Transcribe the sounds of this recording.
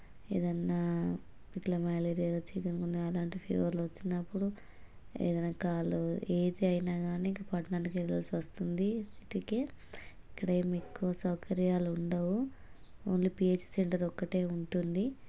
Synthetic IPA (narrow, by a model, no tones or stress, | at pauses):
ḛːd̪ɐnːaː | it̪lɐmɐjleːɾijaloːt͡ʃiːk̪ɐnukund̪iɐlaːɳʈipʰḛːʋɐɾloʋɐt͡ʃːinːɐpːuɽu | ḛːd̪ɐnakaːlueːd̪iɐjnaːɡaːniiŋkɐpɐʈnaːnikeɾɐlsʋɐst̪und̪isi̥ʈike | ikːɐɽɐjmekːuʋɐsɐwkɐɾjaːluuɳɖɐwu | oːnlipieːt͡ʃseɳʈɐɾɔkːɐʈe̞ːuɳʈund̪i